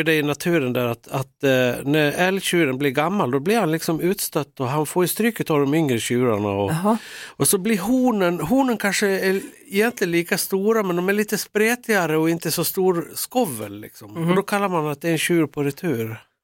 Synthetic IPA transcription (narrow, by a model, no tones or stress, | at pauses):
ɖ̪ɛɪnat̪ʰʉ̟ːɾənd̪æːɾat̪at̪næɾɛlɕʉːɾənblɪɾɡamːald̪ɔblɪɾhanlɪksɔmʉ̟ːt̪st̪œt̪ːɔɦanfoːjɵst̪ɾyːkːət̪ʰɑːvd̪ɔmʏŋɾəɕʉːɾaɳa̰ɔ | ɔsɔblɪɾɦuːnənɦuːnənkʰanʂəɛ | ɪjɛnt̪lɪənliːkast̪uːɾamɛnd̪ɔmæɾɭiːt̪əspɾeːt̪ʰɪɡaɾəɔɪnt̪əsɔst̪uːɾskɔvːə̰llɪ̰ksɔmɔd̪ɔkʰalːaɾmanat̪̚d̪ɛɾɛnɕʉːɾpʰɔɾɛt̪ʰʉːɾ